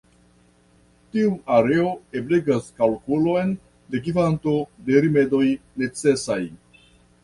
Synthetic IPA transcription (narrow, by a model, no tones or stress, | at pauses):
tiuaɾe̞o̞e̞bleɡaskalkulo̞jn | de̞ɡivanto̞de̞ɾime̞do̞jne̞t͡se̞saj